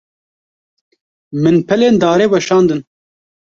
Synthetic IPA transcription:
mɨnpʰɛleːnd̪ɑːɾeːbɛʃɑːnd̪ɨn

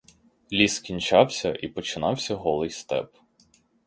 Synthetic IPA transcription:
lʲiskʲinʲt͡ʃɑwsʲɐʔipɔt͡ʃɪnɑwsʲɐɦɔlˠɪjst̪ɛ̰p

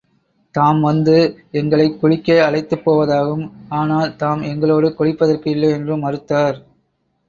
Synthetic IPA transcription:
t̪aːmʋɐnd̪ɯ | ɛŋɡɐɭɐɪkːʊɻɪkːɐːɐɭɐɪt̪ːɯpːoːʋɐðaːɣɯmaːnaːlt̪aːmɛŋɡɐɭoːɽɯkɔɻɪpːɐðɐrkɯɪlːɐɪɛndrɯmɐɾɯt̪ːaːɾ

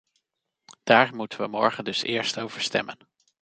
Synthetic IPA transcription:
d̥aːɹmutənʋəmɔɹχəndɵsɪːɹstowv̥əɹstɛ̰mən

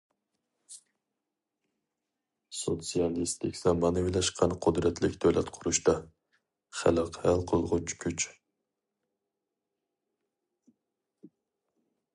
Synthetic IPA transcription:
sot̪sijɑlˠist̪ʰɪkʲz̥ɑmɑnɨwilˠɑʃqʰɑnqʰʊd̪ɾɛt̪ʰlɪkʲd̪øwlɛt̪qʰʊɾuʃt̪ɑ | χæ̰lɨqʰɛlˠqʰolˠʁʊt͡ʃʰkʲʰyt͡ʃ

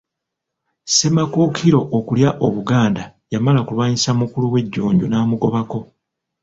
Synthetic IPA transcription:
se̞makoːkʰiɾo̞ʔokuljaʔo̞βuɡaːndajamalakulwaːɲisamukuluwe̞ɟːuːɲɟunaːmuɡo̞βako̞

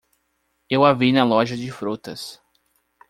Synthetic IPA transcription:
ewavinɐlɔʒɐd͡ʒɪfɾot̪ɐs

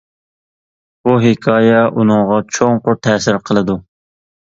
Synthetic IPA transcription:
buɦɪkʰɑːjɛʔunɨŋʁɑt͡ʃʰoŋqʰʊɾt̪ʰɛːsɪɾqʰəlˠɨd̪u

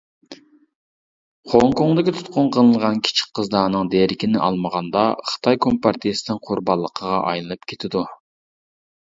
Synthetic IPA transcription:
χoŋkoŋd̪ɪkʲit̪ʰu̥t̪̚qʊnqʰəlˠɨnʁɑnkʲʰi̥t͡ʃʰi̥k̚ʲqʰəzd̪ɑːnɨŋd̪eɾɪkʲinɪʔɑ̰lˠməʁɑnd̪ɑχə̥t̪ʰɑjkʰompʰɑɾt̪ʰijesɪnɪŋqʰʊɾbɑlˠːəqʰəʁɑʔɑ̰jlˠɨnɨpkʲʰet̪ʰɪd̪u

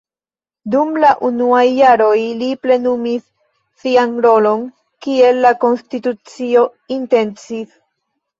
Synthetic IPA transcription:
dumlaʔunuajːaɾo̞jliple̞numisː | ianɾo̞lo̞n | kie̞lːako̞nstitut͡sio̞ | inte̞nt͡sis

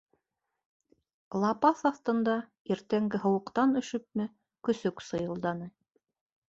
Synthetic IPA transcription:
lˠɑpɑθɑθt̪ɤ̆nd̪ɑ | iɾt̪æŋɡɘɦɤ̆wɤ̆qt̪ɑnɵ̆ʃɵp̚mɘ | kɵ̆sɵksɤ̆jɤ̆lˠd̪ɑnɤ

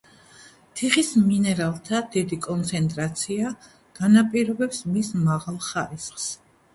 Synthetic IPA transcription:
t̪ʰiχisminɛɾalˠt̪ʰad̪̥id̪ikʼɔnt̪sʰɛnt̪ʼɾat̪sʰia | ɡ̥anapʼiɾɔbɛpsmismaʁalˠχaɾisχs

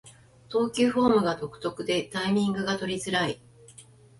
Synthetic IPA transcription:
t̪o̞ːkʲɯɸo̞ːmɯ̟ɡat̪o̞kɯ̥t̪o̞kɯ̟d̪e̞t̪aimʲĩŋɡɯ̟ɡat̪o̞ɾʲizɨɾai

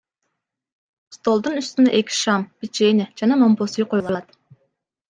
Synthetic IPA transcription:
st̪olˠd̪unyst̪ynɛʔekʲʰi̥ʃɑmb̥it͡ʃened͡ʒɑnɑmomposijqojulˠɑjt̪

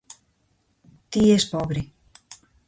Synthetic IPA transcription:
t̪iespɔβɾi

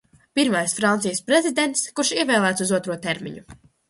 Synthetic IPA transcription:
piɾmajsfɾant̪sijəspɾezid̪ʲent̪skuɾʃiɛvɛːlˠæːt̪suzuɔt̪ɾuɔt̪eɾmḭɲu

